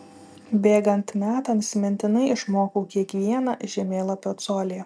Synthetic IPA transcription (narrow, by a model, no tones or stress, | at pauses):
bʲeːɡɐnt̪mʲæːt̪ɐnsʲmʲɛnʲt̪ʲɪnɐɪʔɪʃmoːkoːkʲiɛkʋʲiɛnɐʒʲɛmʲeːlˠɐpʲoːt̪soːlʲeː